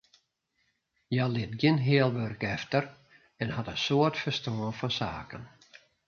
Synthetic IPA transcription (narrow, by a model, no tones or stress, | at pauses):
jalɪtɡjɪnɦɪːəlˠʋørkɛftər | ɛnhatənsoərtfəstoənfɔnsa̰ːkən